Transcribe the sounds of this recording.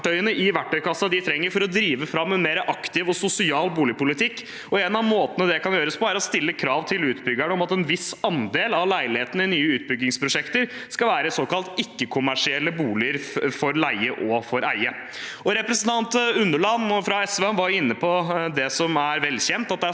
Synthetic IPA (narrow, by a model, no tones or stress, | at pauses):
ʈœʏənəʔɪʋæʈʰːœʏkɑsːɑd̪ɪt̪ʰɾɛŋːəɾfɔɾɔd̪ɾiːʋəfɾɑmːɛnmeːɾəʔɑkt̪ɪʋɔsʊsɪɑːlbuːlɪpʊlɪt̪ʰɪkː | ɔeːnɑʋmoːt̪ənəd̪ɛkʰɑnjøːɾəspʰɔæɾɔst̪ɪlːəkʰɾɑːʋt̪ʰɪlʉːt̪bʏɡæɳəɔmɑt̪ɛnʋɪsɑnd̪eːlɑʋlæɪlɪheːt̪ən̩əɪnyːəʉːt̪̚bʏɡːɪŋspʰɾʊʂɛkt̪əɾskɑʋæːɾəsoːkɑlt̪ɪkːəkʰʊmæʂɪɛlːəbuːlɪəɾfɔɾlæɪəʔɔfɔɾæ̰ɪə | ɔɾɛpɾəsn̩t̪ʰɑnt̪ʉnːəɭɑnːɔfɾɑɛsʋæʋɑɾjʊɪnːəpʰɔd̪ɛsɔmæɾʋɛlːçɛnt̪ɑt̪̚d̪ɛæ